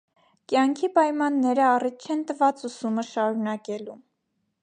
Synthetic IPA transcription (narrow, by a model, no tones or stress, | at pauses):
kjɑŋkʰipɑjmɑnːɛɾəɑrit̪̚t͡ʃʰɛnt̪əvɑt͡susuməʃɑɾunɑkɛlum